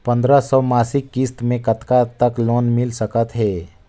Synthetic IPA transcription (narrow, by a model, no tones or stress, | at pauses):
pɐ̃nd̪ɾasɔːmaːsɪkːɪst̪mẽkɐt̪kat̪ɐkloːnmɪlsəkət̪ɦɛː